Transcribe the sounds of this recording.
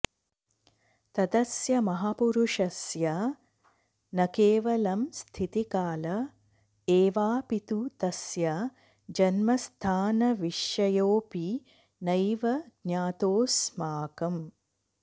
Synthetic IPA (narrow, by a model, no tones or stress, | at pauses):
t̪ɐd̪ɐsjɐmɐɦaːpuɾuʂɐsjɐ | nɐkeːʋɐlɐmst̪ʰit̪ikaːlɐ | eːʋaːpit̪ut̪ɐsjɐ | d͡ʒɐnmɐst̪ʰaːnɐʋiʃjɐjoːpi | nɐjʋɐɡɲaːt̪oːsmaːkɐm